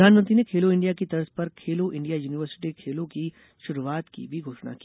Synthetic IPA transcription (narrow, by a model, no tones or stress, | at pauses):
d̪ʱaːnmə̃nt̪ɾinekʰeːloɪ̃ɳɖijakit̪ɐɾəspɐɾkʰeːloʔɪ̃ɳɖijajuːnɪʋəɾsɪ̥ʈikʰeːlõki | ʃʊɾuaːt̪kḭbʱiɡʱoːʃna̰kiː